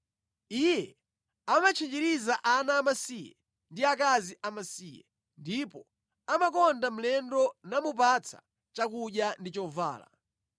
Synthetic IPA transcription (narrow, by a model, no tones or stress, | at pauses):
ijɛ | amat͡ʃʰid͡ʒiɾizaʔanaːmasijɛ̰ | ndiakaziʔamasiːjɛ̰ | ndipɔ | amakɔndam̩lɛndɔnamupat͡sʰḁ̰ | t͡ʃakuɗjandit͡ʃɔva̰ːla̰